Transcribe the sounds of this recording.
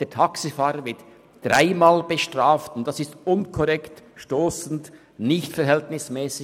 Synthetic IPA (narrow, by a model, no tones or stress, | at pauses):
d̥eːtʰɑksifaːɾəvɪt | d̥ɾaɪmaːlb̥əʃtʁ̥aːftʊntd̥ɑsɪstʊnkʰɔɾɛktʃtoːsn̩t | nɪçtfɛɦɛltnɪsmɛːsɪ